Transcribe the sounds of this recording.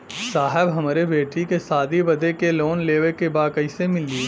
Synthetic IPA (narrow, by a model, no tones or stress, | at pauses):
saːɦɪbɦɐmaːɾebeːʈikesaːd̪ibɐd̪ʱekeloːnleːʋekebaːkəɪsemɪlːi